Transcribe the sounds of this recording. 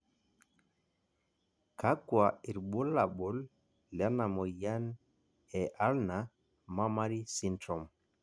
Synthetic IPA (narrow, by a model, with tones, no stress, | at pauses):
ka˦kwa˨i˨ɾɓo˦la˨ɓɔ˨l | la˦na˨mɔ˨ja˦n | ɛ˨ʔa˦lna | ma˦ma˦ɾi˦si˦ntɾɔ˨m